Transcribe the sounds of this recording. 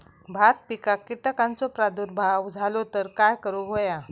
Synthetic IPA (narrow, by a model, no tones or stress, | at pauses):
bʱat̪̚pikakːiʈəkant͡sɔpɾad̪uɾbʱawd͡zʱalot̪əɾkajkəɾuɦoja